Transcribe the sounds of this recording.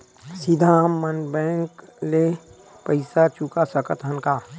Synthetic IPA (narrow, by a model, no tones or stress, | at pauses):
sɪd̪ʱamənbɛ̃ːŋkle | pəɪsat͡ʃukasəkət̪ɦənka